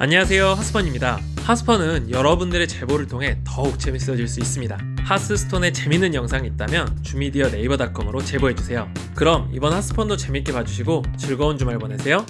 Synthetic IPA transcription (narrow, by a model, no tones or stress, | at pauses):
a̰ɲʌwasʰe̞johas͈ʰɯ̥pʰʌɲimɲida | has͈ʰɯ̥pʰʌnɯnjʌɾʌbundɯɾe̞t͡ɕe̞boɾɯɭtʰoŋɦe̞tʌuk̚t͡ɕ͈e̞mis͈ʌd͡ʑiɭs͈uis͈ɯmɲida | has͈ʰɯsʰɯ̥tʰone̞t͡ɕe̞minɯnjʌŋsʰaŋit̚t͈amjʌnt͡ɕumidiʌne̞ibʌdak͈ʌmɯɾot͡ɕe̞boɦe̞d͡ʑusʰe̞jo | kɯɾʌmḭbʌnhas͈ʰɯ̥pʰʌndot͡ɕemik͈e̞pad͡ʑuɕʰiɡot͡ɕɯɭɡʌond͡ʑumaɭbwʌnesʰe̞jo